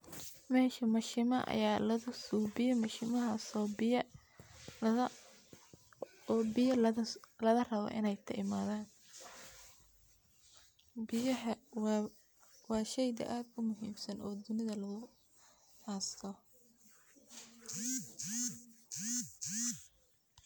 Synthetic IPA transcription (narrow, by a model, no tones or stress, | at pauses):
mɛːʃɐmɐʃɪmɐ̰ʔɐ̰jaːlɐðʊsuːbɪjɐmɐʃɪmɐɦaːsɔːbɪ | bɪjɐlɐðɐrɐβɔ̰ʔɪnɛjt̪ʰɐʔɪmaːðaːn | bɪjɐɦɐ | wɑːʃɛjd̪ɐ̰ʔaːd̪ʊmʊɦiːmsɐnɔːd̪ʊnɪðɐlɐɣʊ | haːst̪ʰɔ